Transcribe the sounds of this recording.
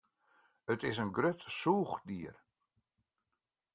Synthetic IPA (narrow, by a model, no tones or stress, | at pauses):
ətɪs̬ənɡrøtsuːxdiər